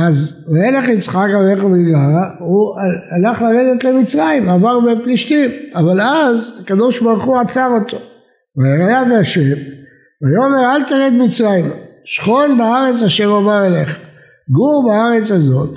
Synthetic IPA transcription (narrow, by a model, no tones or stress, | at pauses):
az | eleχit͡sχakaleχobiɡlaʁuaalaχlaʁed̪et̪lemit͡sʁaimavaʁbepliʃtimavalazakad̪o̞ʃbaʁuχuat͡savo̞t̪o̞ | vaaʁajaveaʃev | vajomeʁalt̪aʁed̪mit͡sʁajimʃχo̞nbaaʁe̞t͡saʃemomaʁeleχḁ | ɡuʁbaaʁe̞t͡sazo̞t̪